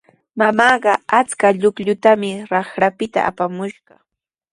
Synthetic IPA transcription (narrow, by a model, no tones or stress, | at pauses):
mamɑːɢɑat͡skaʎʊkʎʊt̪amɪɾɑχɾapɪt̪a̰a̰pamʊʃɢɑ